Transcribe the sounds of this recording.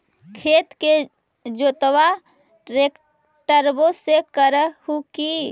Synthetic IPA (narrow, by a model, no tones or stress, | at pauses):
kʰet̪ke | d͡ʒot̪wa | ɾek | ʈəɾbosekəɾəhuki